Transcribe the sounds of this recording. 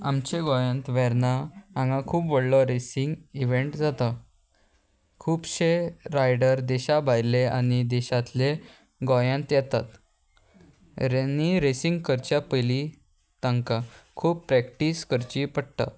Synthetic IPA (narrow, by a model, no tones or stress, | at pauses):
amt͡ɕeɡɔjãnt̪ʋɛɾnaãŋɡãkʰuːpʋəɽlɔɾesiŋɡiʋeɳʈd͡zat̪a | kʰuːpɕeɾajɖəɾd̪ɛɕabʱajleaɽ̃id̪ɛɕat̪le | ɡɔjãnt̪jɛt̪at̪ | ɾnːiɾesiŋɡkəɾt͡ɕjapəjli | t̪ãŋkakʰuːbpːɾɛkʈiskəɾt͡ɕipəɽt̪a̰